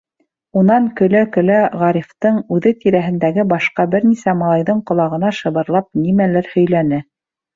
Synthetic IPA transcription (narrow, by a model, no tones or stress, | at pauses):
unɑɴkɵ̆lækɵ̆læʁɑɾift̪ɤɴʉðɘt̪iɾæɦɘ̆nd̪æɡɘbɑʃqɑbɘɾnisæmɑlˠɑjðɤɴqŏlˠɑʁɤ̆nɑʃɤ̆βɤ̆ɾlˠɑp̚nimælæɾhɵ̆jlænɘ